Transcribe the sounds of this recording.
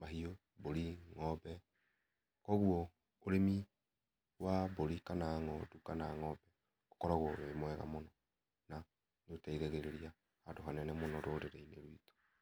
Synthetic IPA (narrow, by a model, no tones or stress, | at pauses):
maɦio | boɾiŋɔbɛ | kɔɣuɔ | oɾemi | waboɾikanaŋɔdukanaŋɔbɛ | okɔɾaɣwɔβemwɛɣa̰monɔ | na | neotaiɣeɣeɾeɾiaː | doɦanɛnɛmonɔɾoɾeɾeineɾwito̥